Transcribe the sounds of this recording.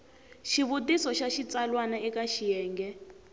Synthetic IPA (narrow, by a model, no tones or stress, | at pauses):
ʃiβut̬isɔʃaʃit͡salwanaɛkaʃijɛːŋɡɛ